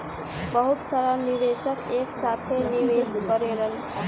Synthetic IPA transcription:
bʌɦut̪saɾaniʋesəkeksat̪ʰeniʋeskʌɾeɾən

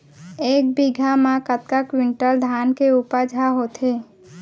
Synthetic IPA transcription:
eːk̚biɡʱamãkət̪̚kakwɪ̃ɳʈəld̪ʱaːnkeuːpəɾd͡ʒʱaɦoːt̪ʰɦeː

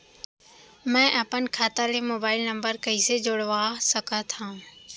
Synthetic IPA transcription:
mɛ̃ːʔɐpənkʰaːt̪aːlemoːbaːɪlnɐ̃mbəɾkɐised͡ʑoːɽʋaːsɐkʰət̪ʰãː

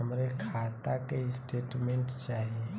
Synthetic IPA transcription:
əmɾekʰaːt̪akeɪsʈeːʈmẽɳʈt͡ʃaːɦie

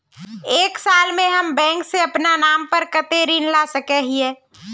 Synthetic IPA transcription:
eːksaːlmẽɦəmbɛ̃ːŋkseɐpnanaːmpəɾkət̪eɾinlasəkɛɦieː

